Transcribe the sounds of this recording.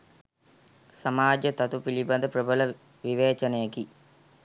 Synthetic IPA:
sɐmaːd͡ʒət̪ɐt̪upilibɐnd̪əprəbələ | ʋiʋeːt͡ʃɐnejeki

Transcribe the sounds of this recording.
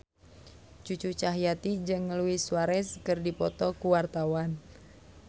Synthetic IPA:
t͡ʃut͡ʃut͡ʃaɦijat̪id͡ʒɨŋluwɪswaɾɛskɨrdipɔt̪ɔkuwart̪awan

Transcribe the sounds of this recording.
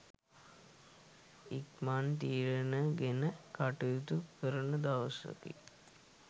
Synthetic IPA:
ik̚mant̪iːɾənəɡenəkaʈujt̪ukəɾənəd̪aʋəsʋə̰kḭ

